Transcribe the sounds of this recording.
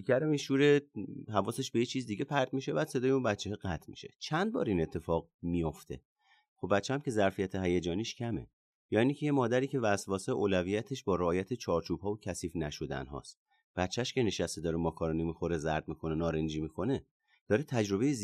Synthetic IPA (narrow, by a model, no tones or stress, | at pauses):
ikʰæɾomiʃuːɾeɦævɒːse̞ʃbejet͡ʃʰiːzd̪iɟe̞pʰæɾt̪miʃe̞bæːd̪̥sed̪ɒːjeunbæt̪t͡ʃʰːeɦɛɡæt̪ʰmi̥̰ʃe̞̰t͡ʃʰænd̪̚bɒ̰ːɾine̞t̪ʰːe̞fɒːɣmijo̞ft̪ʰe̞̰ | xobbæt̪t͡ʃːeæmcʰe̞zæɾfijæt̪ʰeɦæjæd͡ʒɒːniːʃcʰæme̞̰ | jɒːinicʰeje̞mɒːd̪æɾiːcʰe̞væsvɒːseʔoːlæviːjæt̪ʰe̞ʃbɒːɾeːjæt̪ʰet͡ʃʰɒːɾt͡ʃʰuːb̥hɒːvocʰæsiːfnæʃo̞d̪æ̰nɦɒ̰ːst̪̚ | b̥æt̪t͡ʃʰːæʃce̞ne̞ʃæst̪ed̪ɒːɾemɒːkʰɒːɾɒːnimixo̞ɾezæɾd̪̚mikʰo̞nenɒːɾend͡ʒimikʰo̞ne | d̪̥ɒːɾet̪ʰæd͡ʒɾo̞be̞jez